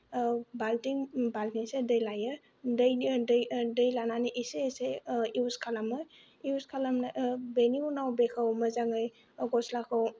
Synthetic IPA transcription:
baltiŋbaltiŋsedəjlajɯ | dəjdjdəjlananiʔiseseiuskʰalamɯ | iuskʰalamnabeniunawbekʰawməzaŋɯj | ɡɔslakʰɯw

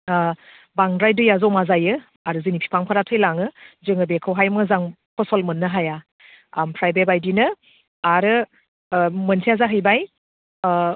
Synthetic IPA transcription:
baŋdɾajdɯjazɔwmazajɯ | aɾɯzɯnipʰi̥pʰaŋpʰaɾatʰɯjlaŋɯzɯŋɯbekʰɯwɦajmɯzaŋ | pʰɔsɔlmɯnːɯɦaja | ampʰɾajbebajdinɯ | aɾɯ | mɯnsʰijazaɦɯjbaj

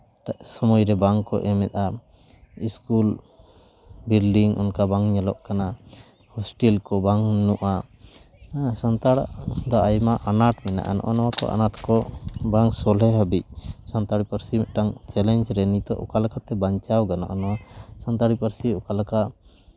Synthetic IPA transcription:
aʔsɔmɔjɾɛbaŋkɔ̰ʔɛmɛt̪̚ˀa | iskul | bilɖiŋṵnkabaŋɲalɔʔkana | hɔsʈɛlkɔbaŋnuʔa | sant̪aɽaʔd̪aʔajmaʔanaʈmɛna̰ʔanɔ̰ʔanɔwakɔ̰ʔa̰naʈkɔbaŋsɔlɛɦəbic̚sant̪aɽipaɾsimɛʔʈaŋt͡ʃɛlɛɲd͡ʒɾɛnit̪ɔ̰ʔɔ̰kalakʰat̪ɛbaɲt͡ʃawɡana̰ʔanɔwasant̪aɽipaɾsiɔkalaka

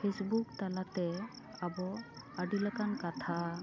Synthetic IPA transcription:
pʰesbuk̚talat̪ɛ | abɔ | aɖilakankat̪ʰa

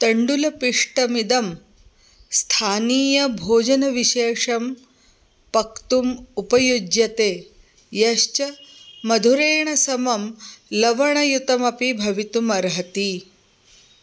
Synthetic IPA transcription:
t̪ɐɳɖulɐpiʂʈɐmid̪ɐm | st̪ʰaːniːjɐbʱoːd͡ʒɐnɐʋiʃeːʂɐm | pɐkt̪umupɐjud͡ʒjɐt̪eː | jɐʃt͡ʃɐmɐd̪ʱuɾeːɳɐsɐmɐmlɐʋɐɳɐjut̪ɐmɐpibʱɐʋit̪umɐɾɦɐt̪i

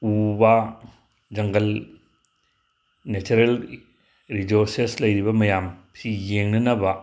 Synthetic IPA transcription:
ubɐ | d͡ʒɐŋɡɐl | net͡ʃuɾel | ɾizoɾseslɐjɾibɐmɐjamsijeŋnɐnɐbɐ

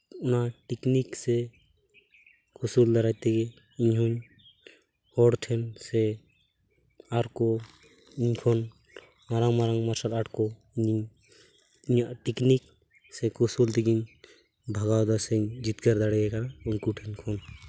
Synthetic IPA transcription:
unaʈikniksɛ | kusuld̪aɾajt̪ɛɡɛ | iɲɦuɲ | hɔɽʈʰɛnsɛ | aɾkɔ | iɲkʰɔn | maɾaŋmaɾaŋmaɾsalaʈkɔ | iɲiɲ | iɲaʔʈiknik̚ | sɛkɔsult̪ikiɲ | bʱaɡawd̪asɛɲd͡ʒit̪kaɾd̪aɽɛɡɛkanauŋkuʈʰɛnkʰɔn

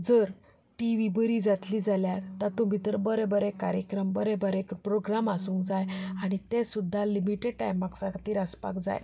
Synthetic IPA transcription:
d͡zəɾ | ʈiʋibəɾid͡zat̪liːd͡zaljaɽt̪at̪ũbʱit̪əɾbəɾɛbəɾɛkaɾjəkɾəmbəɾɛbəɾɛkpɾoɡɾamasũːŋkd͡zajaɽ̃it̪esud̪ʱːalimiʈeɖ̚ʈajmaksãkt̪iːɾaspa̰kd͡za̰j

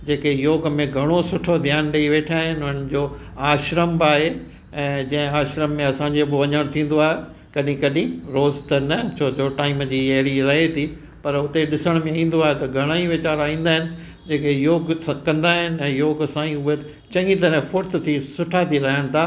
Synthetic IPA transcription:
d͡ʑeːkejoːɡmẽɡʱɐɽ̃osʊʈʰod̪ʱɪjaːnɗeiʋeːʈʰaːɦɪnɪʊnɪ̆d͡ʑoː | aːʃɾəmbaːɦe | ɛ̃ːd͡ʑɐ̃ɦɪ̃aːʃɾəmːẽɐsãːɲd͡ʑeɐboʋɐɲəɽ̃t̪ʰĩːn̆d̪oaːɦe | kɐɗĩkɐɗĩɾoːzt̪enɐt͡ɕʰoːd͡ʑoʈaːɪmd͡ʑiːeːɾiɾɐɦet̪ʰiː | pɐɾʊt̪eɗɪsəɽ̃mẽĩːn̆d̪oaːɦet̪ɐɡʱɐɽ̃aːĩʋɪt͡ɕaːɾaːĩːn̆d̪aːɦɪnɪ̆ | d͡ʑeːkejoːɡsãkɐ̃nd̪aːɦɪnɪɛ̃ːjoːɡsãːĩʊɦe | t͡ɕɐ̃ŋɡĩt̪ɐɾɛ̃fʊɾt̪ʰt̪ʰisʊʈʰat̪ʰiɾɐɦəɽ̃t̪ʰaː

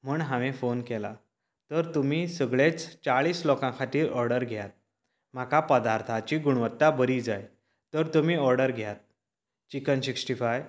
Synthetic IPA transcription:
m̤uːɳɦãʋẽfonkɛla̰ | t̪əɾt̪um̤iːsəɡɭet͡st͡saɭiːslokãkʰat̪iːɾʔɔɾɖəɾɡʱjat̪̚ | m̤akapəd̪aɾt̪ʰat͡ɕiːɡuɽ̃ʋət̪ːabəɾiːd͡zaj | t̪əɾt̪umiːɔɾɖəɾɡʱjat̪̚ | t͡ɕikənsiksʈifaj

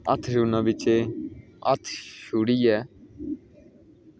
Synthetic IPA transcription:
ət̪ʰʃuːnãːbɪt͡ʃeː | ə̰t̪ʰʃuːɽiːɛː

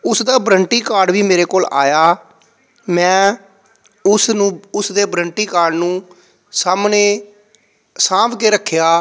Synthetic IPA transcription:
ʊsd̪aːbɾəɳʈiːkaːɾɖʋiːmeːɾeːkoːla̰ːjaː | mɛ̃ː | ʊsnũːʊsd̪eːbɾəɳʈiːkaːɾɖnũː | saːmneː | sãːpʰkeːɾəkʰːjaː

